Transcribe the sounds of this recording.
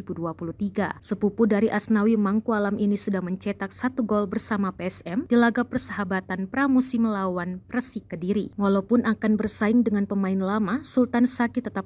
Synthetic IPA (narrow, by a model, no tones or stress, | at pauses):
ibuduapuluht̪iɡa̰səpupudaɾiʔasnawimaŋkualaminisudahməɲt͡ʃɛt̪ak̚sat̪uɡɔlbərsamapeɛsɛmd̥ilaɡapərsəɦabat̪anpɾamusɪmlawanpɾəsikːədiɾiwalawpʊnʔakanbərsaɪŋdəŋanpəmaɪnlamasult̪ansakit̪ːət̪a